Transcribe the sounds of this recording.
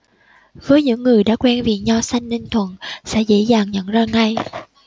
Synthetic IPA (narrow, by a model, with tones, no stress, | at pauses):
vəː˨˦jɲɨ̰˧˥ŋːɨ˨˩əjɗa̰ː˧˥kwɛ˧nvḭ˨˩əɲa˧wsa˧jŋ̟ni˧ŋt̪ʰwə̰˧˨nsɛ̰˧˥zḛ˧˥zaː˨˩ŋɲə̰˧˨nzaː˧ŋa˧j